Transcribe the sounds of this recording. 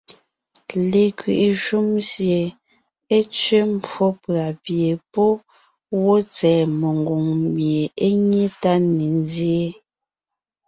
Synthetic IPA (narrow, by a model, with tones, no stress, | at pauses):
le˨kɥḭ˨ʔe˨ʃu˦msje˨ | e˦t͡sɥe˦m̩˦pwɔ˦pɰa˨pje˨poɔ˦ | wo˦t͡sɛː˨me˨ŋ˨ɡo˨ŋmje˨e˦ɲe˦ta˦ne˨n˦zje˦